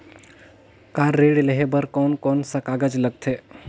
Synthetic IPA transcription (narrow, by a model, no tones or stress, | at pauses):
kaɾːeɽeleɦebəɾkɔnkɔnsakaɡad͡ʒləɡ̚t̪ʰe